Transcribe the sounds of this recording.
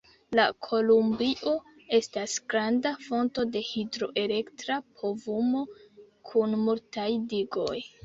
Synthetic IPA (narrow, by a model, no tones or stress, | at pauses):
lakʰo̞lumbiʔo̞ | e̞stasɡ̥ɾandafo̞nto̞de̞hidɾo̞ʔe̞le̞ktɾapʰo̞vumo̞ | kʰunmultajdiɡo̞̰j